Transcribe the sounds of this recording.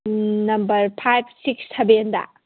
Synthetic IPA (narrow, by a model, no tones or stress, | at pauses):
nɐmbɐɾpʰajb̚ʰsiksːebendɐ̰